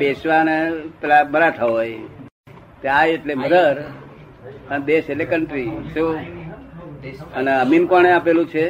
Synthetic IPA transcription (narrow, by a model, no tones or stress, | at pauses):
pesʋaneplaməɾat̪ʰəɦoj | t̪eajeʈleməd̪əɾ | ənd̪eselekəɳʈɾiso | əneəminpəɳ̃eapelũt͡ʃʰe